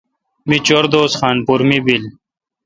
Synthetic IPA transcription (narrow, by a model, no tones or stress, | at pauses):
mit͡ɕoɾd̪oːsxaːnpuɾmibil